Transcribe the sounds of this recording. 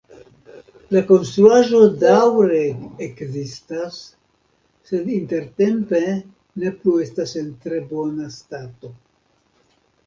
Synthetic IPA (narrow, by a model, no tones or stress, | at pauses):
lako̞nst̪ɾuaʒo̞dawɾeekzistasː | e̞dinte̞ɾte̞mpe̞ | ne̞plue̞stase̞ntɾe̞bo̞nastato̞